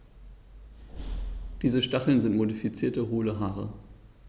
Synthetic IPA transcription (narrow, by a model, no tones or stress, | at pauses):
d̥iːzəʃtaχl̩nzɪntmodifit͡siːɐtəʁuːləɦaːʁə